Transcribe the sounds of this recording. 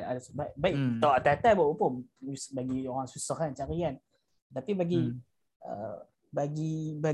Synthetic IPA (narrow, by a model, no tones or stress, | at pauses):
a̰dasbaʔbaiʔt̪aʔat̪aat̪abaʔupousbaɡioɾaŋsusɔhant͡ʃaɾian | t̪apibaɡi | ə̰ | baɡiba